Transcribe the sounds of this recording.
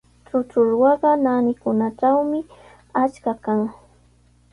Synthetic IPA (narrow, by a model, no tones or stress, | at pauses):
t͡ʃʊt͡ʃʊɾwɑɢɑnanɪkʊnat͡ʃawmɪ | at͡ʃkakaŋ